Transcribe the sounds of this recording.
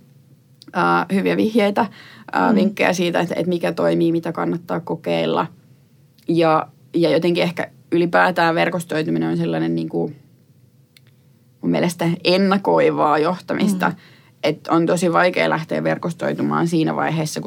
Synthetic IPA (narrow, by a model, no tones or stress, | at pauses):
əːhyʋiæʋihjeit̪ɑʔə̰ːʋiŋkːejɑ̰siːt̪æet̪ḛt̪mikæt̪oimiːmit̪ækɑnːɑt̪ːɑːkkokeilːɑ̰ | jɑ | jɑjot̪eŋkiehkæ̰ | ylipæːt̪æːʋerkost̪oit̪umineonselːɑnenniːŋku | mumiɛ̰lest̪æenːɑkoiʋɑːjoht̪ɑmʔist̪ɑ̰ | ʔet̪ont̪osiʋɑikḛːlæht̪ḛːʋʋerkost̪o̰it̪umɑ̰ːnsiːnæ̰ʋɑ̰iheːsːɑku